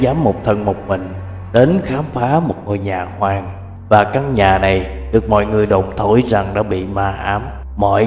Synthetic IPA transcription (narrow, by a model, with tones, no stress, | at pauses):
zaː˨˦mːo˨˩k͡p̚t̪ʰə˧nmo˨˩k͡p̚mï˨˩ŋ̟ | ɗe˨˦nxaː˨˦mfaː˨˦mo˨˩t̚ŋo˧jɲaː˨˩hwaː˧ŋ | vaː˨˩kaː˦˥k̚ɲaː˨˩na˨˩j | ɗɨ˨˩ək̚mɔ̰˧˨jŋɨ˨˩əjɗo˨˩wŋ͡mt̪ʰo˧˩jza˨˩ŋɗa̰ː˧˥ɓḭ˧˨maː˧ʔaː˨˦mː | ɔ̰˧˨j